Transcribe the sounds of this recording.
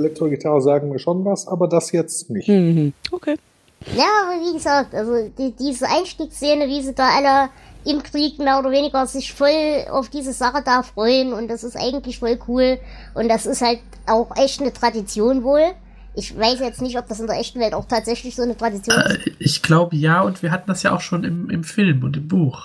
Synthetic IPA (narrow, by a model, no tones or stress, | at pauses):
lɛk̚tʰoʁɡɪtʰaʁəzaːɡŋ̩miːɐʃonvasʔaːbɐdasjɛt͡stnɪçtokʰeː | njaːviːɡəzaːk̚tʔalzod̥iːdiːzəʔaɪnʃtiːkst͡seːnəviːziːdaːʔalə | ʔɪmkʁ̥iːkmeːɐoːdɐveːnɪɡɐzɪçfɔlʔa̰ʊfd̥iːzəz̥aχədaːfʁ̥ɔʏənʊntd̥asɪstʔa̰ɪɡŋ̩tlɪçfɔlkʰuːl | ʔʊntd̥asɪsthalt̚ | ʔaʊxʔɛçtnətʁ̥adit͡sjoːnvoːl | ʔɪçv̥aɪsjɛt͡stnɪçtɔp̚d̥as̬ɪndeːɐʔɛçtn̩vɛltaʊxtʰaːtz̥ɛçlɪçz̥oːnətʁ̥adit͡sjoːʔɪçɡ̥laʊbəjaːʊntv̥iːɐɦatn̩dasjaːʔa̰ʊxʃoːnɪmɪ̰mfɪlmʊntɪmbuːx